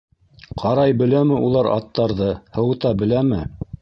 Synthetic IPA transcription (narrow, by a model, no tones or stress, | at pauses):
qʰɑɾɑjbɘ̆læmɘʔulˠɑɾɑ̰t̪ːɑɾðɤhɤ̆wɤt̪ɑbɘ̆læmɘ